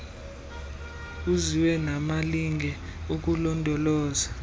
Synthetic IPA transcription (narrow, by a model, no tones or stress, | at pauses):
uziwɛnamaliŋʱɛuk̬ulɔndʱɔlɔːza